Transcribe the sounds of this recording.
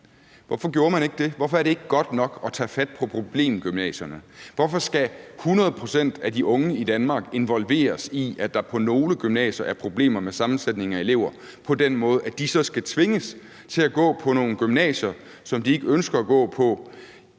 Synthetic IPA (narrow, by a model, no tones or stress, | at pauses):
ʋɒfɒ̽ɡ̥jo̝ːɐmæne̝ɡ̥əd̥e̝ʋɒfɒ̽ɐɾ̥e̝e̝ɡ̥əɡ̥ɒ̽d̥nɒ̽ɡ̥ɒ̽t͡sʰɛ̰ːfæd̥pʰɒ̽pʰʁo̝b̥le̝̰ːmɡ̥ymnɛ̰ːɕɐnəʋɒfɒ̽sɡ̥æhunɐð̩ˠpʰʁo̝sen̰d̥æd̥iʔɔ̽ŋəid̥ænmɑ̈ːɡ̥e̝nʋɒ̽lʋe̝̰ːɐsiæd̥ɑ̈pʰɒ̽no̝ːləɡ̥ymnɛ̰ːɕɐʔæɐpʰʁo̝b̥le̝̰ːmɐmesɑ̈mn̩sed̥̚ne̝ŋɐæe̝le̝ʊ̰ɐ | pʰɒ̽d̥en̰mɔ̽ːð̞̩ˠæd̥isɒ̽sɡ̥æt͡sʰʋe̝ŋəs | t͡sʰe̝læɡ̥ɔ̰̽ːpʰɒ̽no̝ːnəɡ̥ymnɛ̰ːɕɐ | sɒ̽md̥ie̝ɡ̥əønsɡ̥ɐːɡ̥ɔ̰̽ːpʰɒ̽